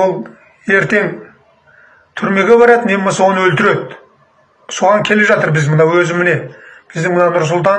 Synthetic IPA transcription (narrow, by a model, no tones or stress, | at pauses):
olˠ | e̞ɾt̪e̞ŋ | t̪ʰʏɾme̞ɡʲe̞bɑɾɑt̪ənemɑswonəwɵlt̪ɪɾe̞d̪ | so̞ʁɑŋkʲʰe̞le̞ʒɑt̪əɾbɪzmənɑwɵzɪmɪne̞b̥ɪzd̪ɪŋmənɑnʊɾs̬ʊlˠt̪ɑ